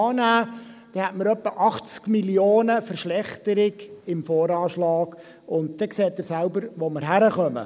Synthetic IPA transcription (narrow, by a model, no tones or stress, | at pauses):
ɑːnæː | d̥ɛhɛtməɾœpːəʔɑχt͡skmilioːnəfəɾʃlɛχt̪əɾɪɡɪmfoːɾɑːʃlɑːɡ̥ | ʊntd̥ɛkseːtːɪɾsæʊbəɾʋoməɾɦæɾəχœmə̰